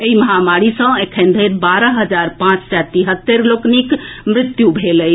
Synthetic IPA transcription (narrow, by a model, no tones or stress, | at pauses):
eiməɦamaɾisə̃ekʰẽnd̪ʱəɾbaɾəɦəd͡ʒaɾpãt͡ʃsɛt̪iɦət̪ːeɾloknikmɾɪt̪jubʱeləj